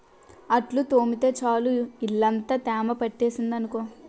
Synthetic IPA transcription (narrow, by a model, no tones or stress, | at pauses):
ɐʈlut̪oːmit̪eːt͡ʃaːluilːɐnt̪ɐt̪aːmɐpɐʈːeːsind̪ɐnukoː